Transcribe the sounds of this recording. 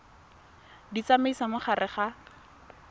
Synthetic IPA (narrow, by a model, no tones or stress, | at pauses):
dit͡sameisamʊχarɪχa